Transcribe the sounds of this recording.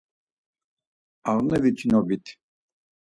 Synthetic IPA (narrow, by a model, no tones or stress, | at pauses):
aʁnəvit͡ʃʰinɔbit̪ʰ